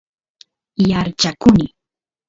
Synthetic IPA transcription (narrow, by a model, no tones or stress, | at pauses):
jaɾt͡ʃakʊnɪ